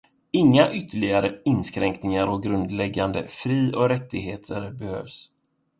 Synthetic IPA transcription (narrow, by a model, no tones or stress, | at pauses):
ɪŋːaʔʏt̪ʰːəɭɪɡaɾəɪnskɾɛŋknɪŋaɾɔɡɾɵnd̪lɛɡːand̪ə̰fɾiːɔkɾɛt̪ːɪɡɦeːt̪ʰəɾbɛhø̰ːvs